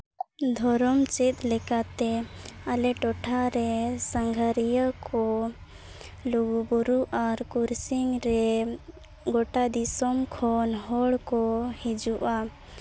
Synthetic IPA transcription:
d̪ʱɔɾɔmt͡ʃit̪̚lɛkat̪ɛalɛʈɔʈʰaɾɛsaŋɡʱaɾijəkɔ | luɡubuɾuʔaɾkuɾsiŋɾɛ | ɡɔʈad̪isɔmkʰɔnɦɔɽkɔhid͡ʒuʔa

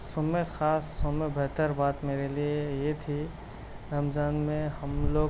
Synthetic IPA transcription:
soːmexaːsːomebɛɦt̪əɾbaːt̪meːɾeliejet̪ʰi | ɾaːmzaːnmẽhɐmloː

